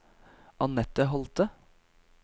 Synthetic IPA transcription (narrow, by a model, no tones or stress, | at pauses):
ʔɑnɛt̪əɦɔlt̪ə